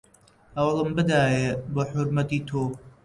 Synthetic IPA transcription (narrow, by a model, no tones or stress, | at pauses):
hɐwlˠɨmbɨd̪aːjeboħʊɾmɐt̪iːt̪ʰoː